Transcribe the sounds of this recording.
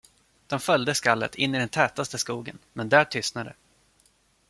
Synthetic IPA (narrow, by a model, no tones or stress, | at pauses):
d̪̥ɔmfœljd̪əskalːə̰t̪ʰɪnːɪd̪ɛnt̪ʰɛːt̪ast̪əskuːɡə̰nmɛnd̪æːʈʰʏst̪nad̪ə̰